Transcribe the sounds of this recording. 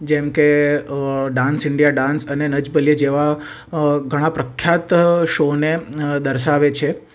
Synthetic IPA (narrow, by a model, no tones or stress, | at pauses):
d͡ʒemke | ɖãnsɪɳɖijaɖãnsənenəd͡ʒbəlijəd͡ʒeʋa | ɡʱəɽ̃ãpɾəkʰjat̪ʃoned̪əɾʃaʋet͡ʃʰe